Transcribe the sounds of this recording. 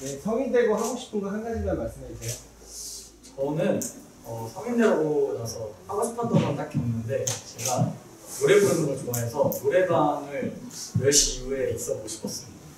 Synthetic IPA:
je̞sʰʌŋindeɡohaɡoɕʰi̥p͈ʰɯŋɡʌsʰhanɡad͡ʑidanmaɭs͈ɯmesʰejo | t͡ɕʌnɯn | ʌsʰʌŋindaɡonasʰʌtʰaŋas͈ʰɯtʰandʰbandakʰjʌnːɯnde̞t͡ɕeɡa | noɾe̞buɾnʌŋɯɭt͡ɕoŋaɦe̞sʰʌnoɾe̞baŋɯɭnɯɭɕijue̞is͈ʌkoɕʰi̥pʰʌs͈ɯmɲida

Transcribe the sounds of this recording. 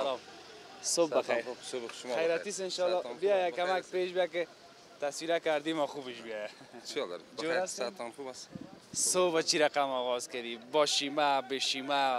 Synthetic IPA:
l | sobbaxajɾsobʃajɾat̪isɪnʃɔlɔbijajakamakpeʃbjakɪ | t̪aswiɾakaɾd̪imɔxubɪʃbijaja | t͡ʃɾd͡ʒoat̪anxubas | sobat͡ʃiɾaqamɔːɣɔzkad̪ibɔʃimabeʃima

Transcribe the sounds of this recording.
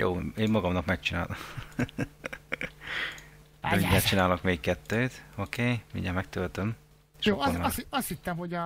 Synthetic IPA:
jo̰ːeːmːɒɡɒmnɒkmɛk̚t͡ʃina̰ːno | miɲːat̪t͡ʃinaːlokmeːkkɛt̪ːøːt̪okeːmḭɲɟɛmɛk̚t̪ølt̪øm | eʃjoːnmɒst̪hit̪ːɛmhoɟ

